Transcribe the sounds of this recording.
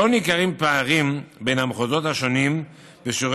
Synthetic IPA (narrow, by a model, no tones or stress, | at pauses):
onikaʁimpaːʁimbe̞nhamχozo̞t̪haʃo̞nim | beʃoʁ